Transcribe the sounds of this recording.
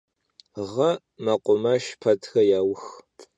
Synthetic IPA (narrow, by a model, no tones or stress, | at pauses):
ʁɐ | mɐqʷʼʊmɐʃpʰɐtxɐjaːwx